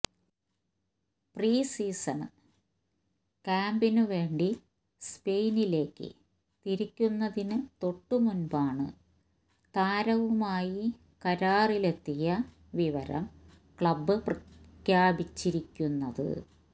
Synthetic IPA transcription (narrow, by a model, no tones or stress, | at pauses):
priːsiːsɐnɨ | kaːmbinɨʋe̞ːɳɖi | spe̞jnile̞ːkːɨ̰ | t̪iɾikʲːunːɐðinɨt̪o̞ʈːumunbaːɳɨ̰ | t̪aːɾɐʋumaːji | kɐɾaːrile̞t̪ːijɐ | ʋiʋɐɾɐ̰m | kɭɐbːɨprɐkjaːbit͡ɕːiɾikʲːunːɐðɨ̰